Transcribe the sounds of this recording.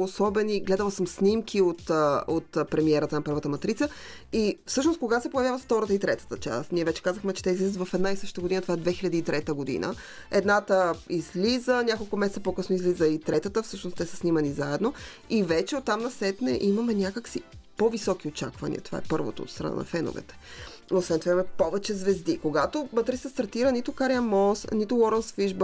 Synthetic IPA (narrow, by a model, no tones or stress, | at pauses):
osɔbɛniɡlɛd̪əlˠsəmsnʲimkʰiot̪ːot̪ːpɾɛmiɛɾət̪ənɐpɤɾvət̪əmɐt̪ɾit̪səifsɤʃnost̪koɡasɛpojɐvʲjavəft̪ɔɾət̪əit̪ɾɛt̪ə̥t̪ət͡ʃa̰st̪niɛvɛt͡ʃɛ̥kazəxmɛt͡ʃɛ̥t̪ɛizlizət̪vɐfɛd̪naisɤʃt̪t̪əɡod̪inət̪ovaɛd̪vɛxilʲɐd̪iːt̪ɾɛt̪əɡod̪ḭnə̰ | ɛd̪nat̪əizlizənʲakolˠkʊmɛsɛt̪əpokɤsnoizlizəit̪ɾɛt̪ət̪əfsɤʃnost̪ɛsə̥snimɐnizaɛd̪no | ivɛt͡ʃɛot̪ːamnɐsɛt̪nɛʔimɐmɛnʲakəksi | povisɔkiot͡ʃa̰kvɐnḭɐ̰t̪o̥va̰ɛ̰pɤɾvo̰t̪o̰o̰t̪st̪ɾɐ̰na̰nɐ̰fɛno̰vɛ̰t̪ɛ̥ | osvɛnt̪ovaimɐmɛpovɛt͡ʃɛzvɛzd̪ikoɡat̪omɐt̪ɾit̪səst̪ɐɾt̪iɾənit̪ʊkaɾjɐmɔsnit̪ʊwɔɾənsfiʒb